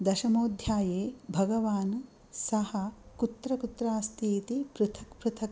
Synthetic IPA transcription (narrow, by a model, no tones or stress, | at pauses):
d̪ɐʃɐmoːd̪ʱjaːjeːbʱɐɡɐʋaːn | sɐhɐkut̪ɾɐkut̪ɾaːst̪ʰiːt̪ipɾɨt̪ʰɐkpɾut̪ʰɐk